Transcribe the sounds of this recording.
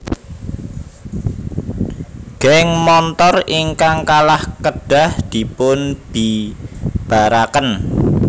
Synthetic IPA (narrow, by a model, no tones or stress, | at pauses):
ɡ̥ɛŋmɔnt̪ɔriŋkaŋkalahkəɖ̥a̤hd̪̥i̤pʊnb̥i | b̥a̤ɾakən